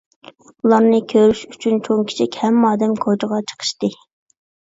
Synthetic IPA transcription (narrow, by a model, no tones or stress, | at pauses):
ulˠɑɾnɨkʲʰøɾyʃyt͡ʃʰynt͡ʃʰoŋkʲʰi̥t͡ʃʰɛkʲhɛmːɑːd̪ɛmkʰod͡ʒəʁɑt͡ʃʰə̥qʰə̥ʃt̪ɨ